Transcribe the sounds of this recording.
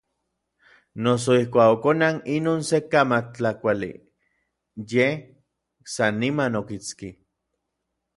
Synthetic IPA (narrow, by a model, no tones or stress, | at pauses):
nos̬oihkʷaːkokonaninoːnsekamakt͡ɬakʷalḭ | jeh | sanːimanokit͡ski